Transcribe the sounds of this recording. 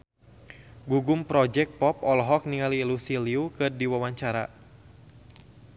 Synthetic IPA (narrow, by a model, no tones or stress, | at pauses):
ɡuɡʊmpɾɔd͡ʒɛk̚pɔpɔlɔɦɔk̚niŋaliːlusiliukɨrdiwawaɲt͡ʃaɾa̰